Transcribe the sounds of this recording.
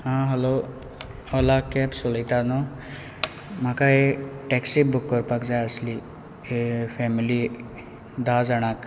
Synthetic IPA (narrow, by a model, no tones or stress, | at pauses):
ɦãɦəlo | ɔlakɛpsuləjt̪anɔ | makaeʈɛksibʊkːəɾpakd͡zajəsli | epʰɛmili | d̪ad͡zaɽ̃ak